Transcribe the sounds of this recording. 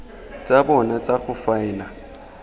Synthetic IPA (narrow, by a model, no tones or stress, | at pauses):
t͡sʼabɔnat͡sʼaχʊfaɪna